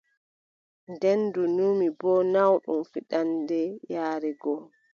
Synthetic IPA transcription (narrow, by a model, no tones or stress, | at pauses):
ndɛndunuːmibɔnawɗṵmfiɗandɛjaːɾɛɡɔ